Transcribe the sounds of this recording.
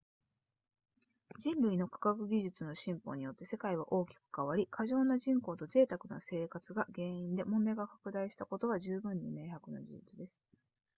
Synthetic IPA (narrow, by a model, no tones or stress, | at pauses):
d͡ʑĩnɾɯ̟ino̞kḁkakɯ̟ɡʲiʑɨt͡sɨno̞ɕĩmpo̞̰ːɲ̟ijo̞t̪ːe̞se̞kaiβa̰ʔo̞ːkʲi̥kɯ̥kaβaɾʲikʰaʑo̞ːnaʑĩŋko̞ːt̪o̞ze̞ːt̪akɯ̟na̰se̞ːkat͡sɨɡaɡẽ̞ːĩnd̪e̞mõ̞nd̪aeɡakḁkɯ̟d̪aiɕi̥t̪ako̞t̪o̞βaʑɨːbɯ̟̃ɲ̟ːime̞ːhakɯ̟nad͡ʑḭit͡sid̪e̞sɨ̥